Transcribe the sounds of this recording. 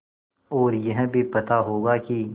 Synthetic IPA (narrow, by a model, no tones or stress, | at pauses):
ɔːɾjɐɦbʱipɐt̪aɦoːɡaki